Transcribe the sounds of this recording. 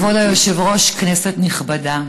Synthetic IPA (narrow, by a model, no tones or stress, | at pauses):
vodajoʃevʁo̞ʃkneset̪niχbada